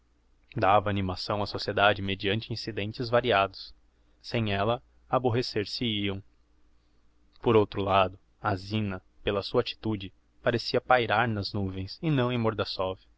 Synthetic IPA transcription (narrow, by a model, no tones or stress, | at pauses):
d̪avɐːnimasɐ̃w̃ɐsosied̪ad͡ʒɪmed͡ʒiɐ̃nt͡ʃɪĩsid̪ẽnt͡ʃɪzvaɾiad̪ʊs | sẽj̃ɛlɐ | aboɦeseɾsɪiɐ̃w̃ | poɾowt̪ɾʊlad̪ʊ | azĩnɐpelɐsuɐat͡ʃi̥t̪ud͡ʒɪ | paɾesiɐpajɾaɾnɐznuvẽj̃sɪnɐ̃w̃ẽj̃moɾd̪asɔvʊ